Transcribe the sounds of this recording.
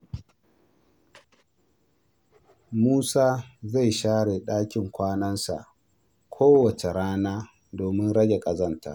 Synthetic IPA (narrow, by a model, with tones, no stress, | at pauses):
muː˦saː˦za˦˨jʃaː˦ɽe˨ɗaː˦kʲɪ˨ŋkʷaː˦nɐ˦nsa̰˨ʔ | kʷʰoː˦wɐ˨t͡ʃe˨ɽaː˦naː˦ | doː˨mɪ˦nɽɐ˦ɡʲe˨kʼɐ˨zɐ˦ntʰa̰˨